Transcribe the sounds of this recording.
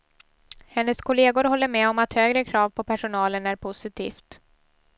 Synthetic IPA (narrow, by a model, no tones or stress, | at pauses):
hɛnːəskʰʊleːɡʊɾhɔlːəɾmɛːɔmat̪høːɡɾəkʰɾɑːvpʰɔpʰæʂʊnɑːlənæɾpʰʊsɪt̪ʰḭːft̪